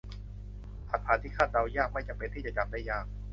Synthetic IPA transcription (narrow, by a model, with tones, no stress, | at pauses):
sa˨˩t̪̚ʰːaː˩˦t̪ʰiː˥˩kʰaː˥˩t̪̚ɾa˧wjaː˥˩k̚ma˥˩jt͡ɕa˧˩pe˧nt̪ʰiː˥˩t͡ɕa˨˩t͡ɕa˧mdaː˥˩jaː˥˩k̚